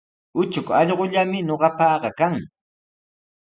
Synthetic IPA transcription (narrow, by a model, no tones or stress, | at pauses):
ʊt͡ʃʊkɑʎɢʊʎamɪɲoɢɑpɑːɢɑkaŋ